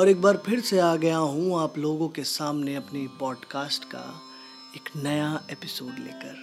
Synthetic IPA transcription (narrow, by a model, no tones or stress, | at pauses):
ɔːɾek̚baːɾpʰɪɾseaːɡɐjaɦũaːploːɡõkesaːmneɐpnipɔːɖkaːsʈka̰ | eknɐjaeːpɪsoːɖlḛːkəɾ